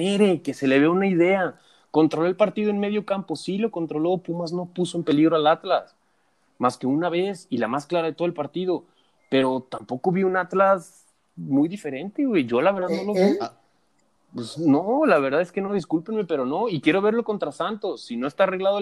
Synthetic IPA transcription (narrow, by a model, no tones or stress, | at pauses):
eɾe̞ke̞se̞le̞βeunaiðe̞a | ko̞nt̪ɾolo̞elpaɾt̪iðoenme̞ð̞jo̞kampo̞silo̞ko̞nt̪ɾo̞lo̞pumazno̞pusoempe̞liɣɾoalat̪las | maske̞unaβe̞silamasklaɾaðet̪o̞ðelpaɾt̪ið̞o | pe̞ɾo̞t̪ampo̞ko̞βiunat̪las | mujðife̞ɾe̞nt̪eweʝo̞laβe̞ɾðaðno̞lo̞βi | pesnolaβe̞ɾðaðeske̞no̞ðiskulpenme̞pe̞ɾo̞no̞ikje̞ɾo̞β̞e̞ɾlo̞ko̞nt̪ɾasant̪o̞sːino̞e̞st̪areɣlaðo